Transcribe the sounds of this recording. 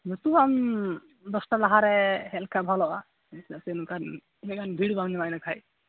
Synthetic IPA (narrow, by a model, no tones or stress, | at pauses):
mut̪ubam | d̪ɔsʈalaɦaɾɛhɛlkʰabʱalɔʔa | zasɛnukan | nikanbʱiɽbamnimajnakʰaj